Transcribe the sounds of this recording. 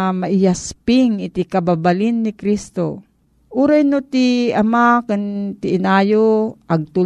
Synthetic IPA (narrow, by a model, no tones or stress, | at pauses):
maʔɪjaspɪŋɪt̪ɪkababalɪnːɪkɾist̪o | ʔuːɾajnot̪ɪamakɪnt̪ɪʔɪnaːjoʔɐɡ̚t̪ʊ